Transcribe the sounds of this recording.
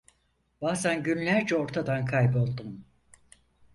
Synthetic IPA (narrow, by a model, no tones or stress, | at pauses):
b̥aːzænɟynlʲæɾd͡ʒɛo̞ɾt̪ʰad̪ankʰajbo̞lˠd̪um